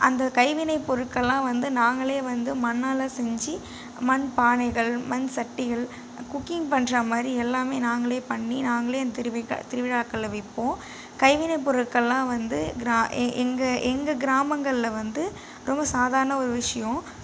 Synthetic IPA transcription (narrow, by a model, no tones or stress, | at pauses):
ʔɐnd̪ɐkɐɪʋɪnɐɪpːɔɾɯʈkːɐɭːãːʋɐnd̪ɯnaːŋɡɐɭeːʋɐnd̪ɯmɐnːaːlɐsɛɲd͡ʒi | mɐnpaːɳɐɪɣɐɭmɐnsɐʈːɪɣɐɭ | kʊkːɪŋɡpɐɳdrɐmaːd̪ɾiɛlːaːmeːnaːŋɡɐɭeːpɐɳːinaːŋɡɐɭeːɐnd̪t̪ɪɾʋ̰t̪ɪɾɯʋɪɽaːkːɐɐʋɪpːõː | kɐɪʋɪnɐɪp̬ːɔɾɯkːɐɭlãːʋɐnd̪ɯɡɪɾaʔɛŋɡɐʔɛŋɡɐɡɪɾaːmɐŋɡɐɭɪlɐʋɐnd̪ɯ | ɾʔɔmbɐsaːðaːɾɐɳɐɔɾɯʋɪʂɐjõ